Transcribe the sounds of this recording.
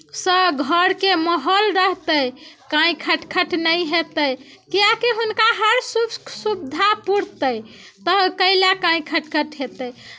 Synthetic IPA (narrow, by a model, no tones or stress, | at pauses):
səbɡʱəɾkeməɦəlɾəɦt̪əjkãĩkʰəʈkʰəʈnəjɦet̪əjkiakeɦunkaɦəɾsusubd̪ʱapuɽ̤t̪əjt̪əɦkəɪlakãĩkʰəʈkʰəʈɦet̪əj